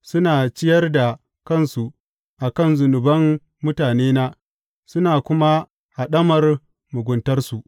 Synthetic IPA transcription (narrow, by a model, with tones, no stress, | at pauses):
sʊ˦naː˨t͡ʃɪ˦jɐ˦rda˨ | kɐ˦˨nsu˨ | ʔa˨kɐ˦˨nzʊ˨nʊ˨bɐ˦mː | ʊ˦taː˨neː˦naː˦ | sʊ˦naː˨kʷʊ˦ma˦ | ha˨ɗɐ˦mɐ˨r | mʊ˨ɡʷʊ˨ntɐ˦rsu˨ʔ